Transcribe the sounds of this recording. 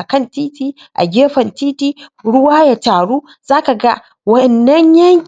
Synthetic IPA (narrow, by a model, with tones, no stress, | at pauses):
ʔa˨kɐ˦˨ntiː˦tiː˦ | ʔa̰˨ɡʲeː˦ɸɐ˨ntiː˦tiː˦ɽʊ˦waː˦ja˨taː˨ɽuː˦ | z̥aː˦ka˨ɡa˦ | wɐ˦ʔɛ˨nːɐ˦ɲjɐ˦ŋkʲ